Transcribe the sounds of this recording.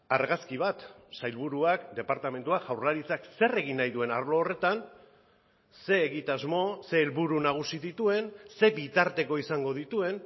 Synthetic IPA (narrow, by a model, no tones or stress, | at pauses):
aɾɣaskiβ̞at̪sajlβuɾuakd̪e̞paɾt̪ame̞nt̪uakʝawrlaɾit͡sakse̞re̞ɣinːajðue̞naɾlo̞ːre̞t̪an | se̞ːɣit̪azmo̞se̞ːlβuɾunaɣ̞usiðit̪ue̞nse̞bit̪aɾt̪e̞ko̞isaŋɡo̞ð̞it̪ue̞n